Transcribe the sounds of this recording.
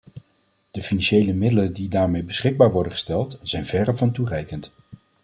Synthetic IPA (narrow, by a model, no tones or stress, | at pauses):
d̥əfinɑnʃejləmɪdələndidaːɹmejbəsχɪɡ̚baːɹʋɔɹdəχə̥stɛlˠtz̥ɛjnv̥ɛrəvɑnturɛjkənt